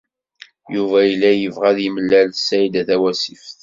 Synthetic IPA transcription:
juvæjəlːæjəvʁæðiməlːælsæjd̪æθæwæsifθ

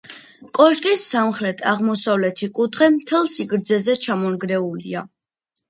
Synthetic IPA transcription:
kʼɔʒɡisːamχɾɛt̪ʰaʁmɔsavlɛt̪ʰikʼut̪ʰχɛmt̪ʰɛlˠsiɡɾd̪zɛzɛt͡ʃʰamɔnɡɾɛulḭa

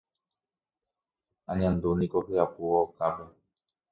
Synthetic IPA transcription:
aɲãnd̪unĩkoɸeapuokape

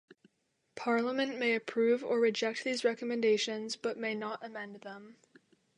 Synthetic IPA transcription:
pʰɑɹləmɨ̃nʔmeɪɨpʰɹ̥ʉvə˞ɹɨd͡ʒɛk̚t̪̚ðizɹɛkəmɨ̃ndeɪʃɨ̃nzb̥ʌt̚meɪnəɾəmɛ̃nðə̃m

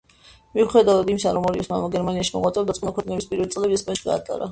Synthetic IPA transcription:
miuχɛd̪avad̪imsaɾɔmɔɾiɔsma̰maɡɛɾmaniaʃimɔ̰ʁwat̪sʼɛɾd̪atsqʼmakʰwɛkʼnɛbispʼiɾvɛlit̪sʼlɛbiɛskɛʃi̥ɡa̰ːt̪ʼa̰ɾa

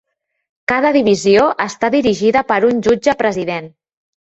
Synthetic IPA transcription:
kað̞əðiβ̞izioʔəst̪aðiɾiʒiðəpəɾunʲʒud͡ʒəpɾəziðen

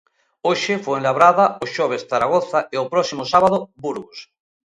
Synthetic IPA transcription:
oʃefweenlaβɾaðaoʃoβ̞esθaɾaɣ̞oθaeopɾɔsimosaβaðobuɾɣos

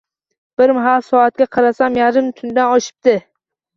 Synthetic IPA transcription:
b̥ɪɾmɦalsɒat̪̚kʲaqʰɑɾasamjaɾɪmt̪ʰʊnd̪anɒʃɪ̥p̚d̪ɪ

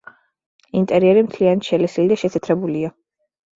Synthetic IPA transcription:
int̪ʼɛɾiɛɾimt̪ʰlianat̪ʃɛlɛsilid̪aʃɛsʰɛt̪ʰɾɛbulia

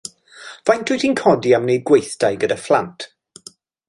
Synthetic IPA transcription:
v̥ajntʰʊtinkʰɔdiamnejd̚ɡwejθd̥ajɡədaflˠantʰ

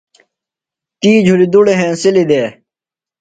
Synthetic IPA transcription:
t̪iːd͡ʑʱulid̪uɽeɦẽːsɪlid̪eː

